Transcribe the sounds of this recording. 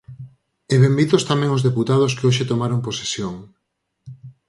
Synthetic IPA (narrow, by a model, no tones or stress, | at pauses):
eβembiðost̪amɛ̃ŋozðeput̪að̞ʊskeoʃet̪omaɾoŋpose̥sjoŋ